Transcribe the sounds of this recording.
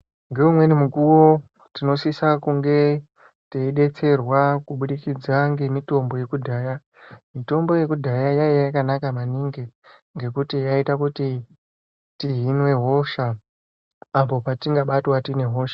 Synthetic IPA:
ŋɡe̞umwe̞nimukuwo̞ | tino̞sisakuŋɡe̞ | teiɗe̞t͡se̞rwakuɓuɗikid͡zaŋɡe̞mito̞mbo̞je̞kudʱaːja | mito̞mbo̞je̞kudʱajajajajakanakamaniŋɡi | ŋɡe̞kutijaitakuti | tiɦinwe̞ɦo̞ʃaː | po̞patiŋɡaɓatwatine̞ɦoʃḁ

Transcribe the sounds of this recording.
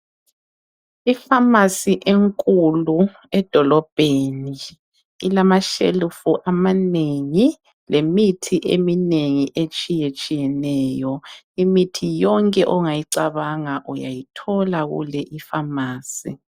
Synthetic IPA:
ifamasiʔeŋkʼulu | ɛd̥ʱɔlɔb̥ʱeni | ḭlamaʃḛlufuʔamaneŋi | lemitʰiʔḛmineŋiʔet͡ʃʼijet͡ʃʼijɛnɛːjɔ | imitʰijɔŋkʼɛʔɔŋajiǀaβaŋaʔuja̰jitʰɔlaɣṵlɛʔifamaːsi

